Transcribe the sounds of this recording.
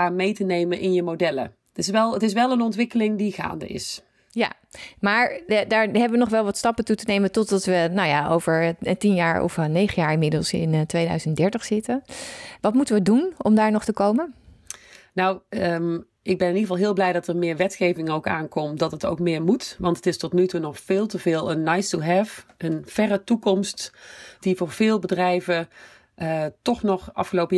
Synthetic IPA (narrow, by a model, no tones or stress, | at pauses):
amejtənejmənʔɪnjəmodɛlə̰ | tɪsʋɛlˠətɪsʋɛlˠənɔntʋɪkəlɪŋdiχa̰ːndə̰ʔɪ̰s | ja̰ | maːɹdaːɹɦɛbəʋənɔχʋɛlˠʋɑtstɑpətutənejmətɔtdɑtʋənawjaʔowvəɹətinjaːɹɔ̰fnejχəjaːɹɪnmɪdəlˠsɪ̰ntʋejdœ̰ɥzəntdɛɹtəχsɪtəʋɑtmutəʋədunɔmdaːɹnɔχtəkowmə | nawə | ʔɪɡ̚bɛnɪniχəvɑlˠɦɪːlˠblɛjdɑtərmɪːɹʋɛtxejvɪŋowka̰ːnkɔmdɑtəto̰wkmɪːɹmutʋɑntʰətɪstɔtnytunɔxfɪːlˠtəvɪːlˠənːajstuɦɛvʔənv̥ɛrətukɔmstd̥ivʊːɹv̥ɪːlˠbədrɛjvə | ətɔxnɔxɑ̰fxəlowpə